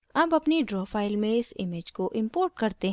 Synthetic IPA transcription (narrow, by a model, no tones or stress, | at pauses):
ɐbɐpniɖɾɔːfaːɪlmẽɪsɪmed͡ʒkoʔɪ̃mpoːɾʈ̚kɐɾt̪eɦ